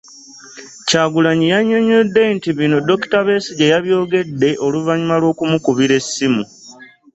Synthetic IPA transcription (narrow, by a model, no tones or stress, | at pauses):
caːɡulaɲijaɲːo̞ɲodːe̞ntiβino̞do̞ki̥taβe̞siɟe̞jaβjo̞ːɡe̞dːe̞ʔo̞luvaɲumalwo̞ːkumukuβiɾe̞sːimu